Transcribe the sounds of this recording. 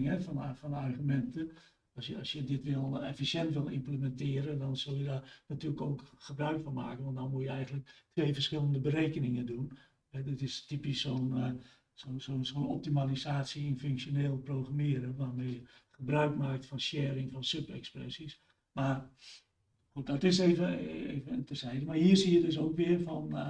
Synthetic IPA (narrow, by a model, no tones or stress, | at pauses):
ŋɛfɔnfɔnarχymɛntə | ɔsjəɔsjədɪtʋɪlˠefisjɛntʋɪlˠḭmpləmɛntɪəɾəndɔnz̥ølˠjədɔnatyːləkoːkχəbrœɥkfɔnma̰ːkən̩ʋɔntdɔnmuəjəɛjɣəntlək̚tʰʋeːfərsxɪlˠəndəbəɾeːkənɪŋəndun | ɛdɪtɪstipisːoːn | sonsonsonɔ̰p̚timalisaːsiɪnføŋksjoneːlˠproːɣramɪəɾəʋaːrmejəχəbrœɥkmaːk̚tfɔnsjɛːɾɪŋfɔnsøpɛ̰ksprɛ̰sis | mar | xut̚dɔtɪseːvəḛːvətəsɛjdəmarhiərsijədøsoːkʋɪərfɔn